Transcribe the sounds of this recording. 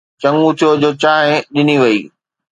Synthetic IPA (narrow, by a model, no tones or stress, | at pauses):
t͡ɕɐ̃ŋɡũt̪ʰijod͡ʑoːt͡ɕaːɦɪ̃ɗɪniʋɐḭː